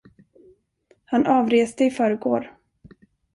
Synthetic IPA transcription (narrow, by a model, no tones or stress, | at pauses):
hanʔɑːvɾeːst̪əɪfœːɾəɡoːɾ